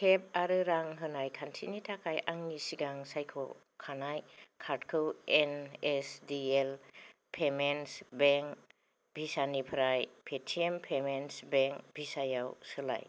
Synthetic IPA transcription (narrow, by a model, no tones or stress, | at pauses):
kʰep̚aɾɯɾaŋɦɯnajkʰantʰḭnitʰakʰajʔaŋnisiɡaŋsajkʰɔ̰ | kʰanajkʰaɾdkʰɯwenesdiel | pʰemensbeŋk | bʱisanipʰɾajpʰetʰiempʰemensbeŋkbʱisajawsɯla̰j